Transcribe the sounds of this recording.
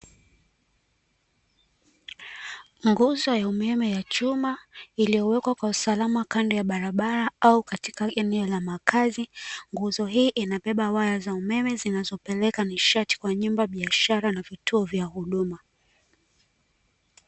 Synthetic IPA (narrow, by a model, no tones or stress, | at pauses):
ŋɡuzɔjaumɛmɛjat͡ʃumailijɔwɛkwakwausalamakandɛjaɓaɾaɓaɾaaukatikaɛnɛɔlamakʰaziŋɡuzɔɦiːʔinaɓɛɓawajazaumɛmɛzinazɔpɛlɛkaniʃati̥kwaɲumbaɓiaʃaɾanavitʰuɔvjahuɗuma